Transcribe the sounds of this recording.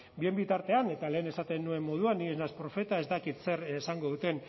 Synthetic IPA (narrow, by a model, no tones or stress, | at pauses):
bie̞mbit̪aɾt̪e̞ane̞t̪ale̞ːne̞sat̪e̞nːue̞mːo̞ð̞uanːieznaspɾo̞fe̞t̪ae̞zd̪akit̪se̞ɾsaŋɡo̞ðut̪e̞n